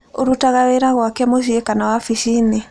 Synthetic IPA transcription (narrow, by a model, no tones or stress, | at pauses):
oɾutaɣaweɾaɣwakɛmoʃ̬iekanawafiʃine